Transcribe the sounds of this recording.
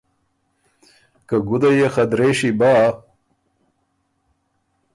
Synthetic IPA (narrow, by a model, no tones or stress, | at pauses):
kaɡud̪ajexɐd̪ɾeɕibaː